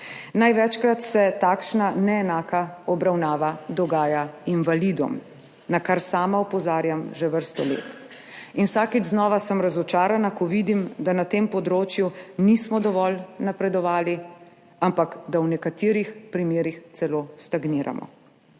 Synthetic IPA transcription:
najʋɛt͡ʃkɾat̪sɛt̪akʃnanɛɛnaːkaɔbɾawnaːʋad̪ɔɡaːjainʋalid̪ɔ̰m | nakaɾsaːmaɔpɔzaːɾjamʒɛʋəɾst̪ɔlḛːt̪ | inwsaːkid͡ʒznɔʋasəmɾazɔt͡ʃaːɾanakɔʋiːd̪imd̪anat̪eːmpɔd̪ɾoːt͡ʃjunismɔd̪ɔʋɔlnapɾɛd̪ɔʋaːli | ampakd̪awnɛkat̪iːɾixpɾimeːɾixt̪sɛloːst̪aɡniːɾa̰mɔ̰

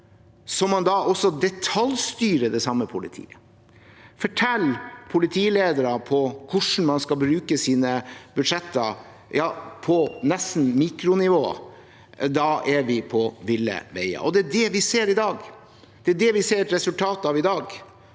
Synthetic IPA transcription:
sɔmːɑnd̪ɑʔɔsɔd̪ɛt̪ʰɑlst̪yːɾəd̪ɛsɑmːəpʰʊlɪ̰t̪ʰḭːə | fɔʈʰɛlːpʰʊlɪt̪ʰiːleːd̪əɾəpʰɔkʰʊʂn̩mɑnskɑlbɾʉːkəsiːnəbʉd̪ʂɛt̪ːə | jɑːpʰɔnɛsn̩miːkɾʊnɪʋo̰ː | d̪ɑʔæɾʋɪpʰɔʋɪlːə̰ʋḛɪə̰ʔɔd̪ɛæɖɛʋɪseːɾɪd̪ɑːɡ | d̪̥ɛæɖɛʋɪseːɾt̪ɾɛsʉlt̪ʰɑːt̪ɑʋɪd̪ɑːɡ

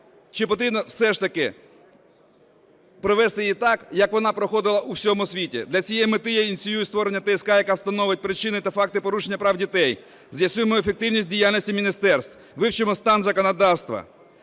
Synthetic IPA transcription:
t͡ʃɪpɔt̪ɾʲibnɔwsɛʃt̪ɐkɪ | pɾɔʋɛst̪ɪjit̪ɑkjɐkʋɔnɑpɾɔxɔd̪ɪlˠɐʔuwsʲɔmʊsʲʋʲitʲḭd̪lʲɐt͡sʲijɛjmɪt̪ɪjɛinʲt̪sʲɪjujist̪ʋɔɾenʲːɐt̪ɛskɑjɐkɑwst̪ɐnɔʋɪt̚ʲpɾɪt͡ʃɪnɪt̪ɐfɑk̚t̪ɪpɔɾuʃenʲːɐpɾɑwdʲit̪ɛj | zjɐsʲujemɔefek̚t̪ɪwnʲisʲt̚ʲdʲijalʲnʲisʲtʲimʲinʲist̪ɛrst̪ | ʋɪwt͡ʃɪmɔst̪ɑnzɐkɔnɐd̪ɑwst̪ʋɐ̰

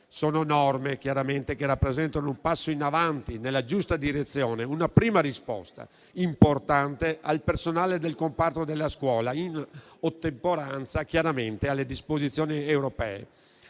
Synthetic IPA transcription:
soːnonɔrmek̟jaɾament̪ekerapːɾezɛnt̪anoumpasːoinavant̪inelːad͡ʒust̪ad̪iɾet̪sːjoːneunapɾiːmaɾispɔ̰st̪a̰ | import̪ant̪ealpersonaːled̪elkompart̪od̪elːaskwɔːlainot̪ːempoɾant̪sakjaɾament̪ealːed̪ispozit̪sːjoːniewɾopɛːḛ

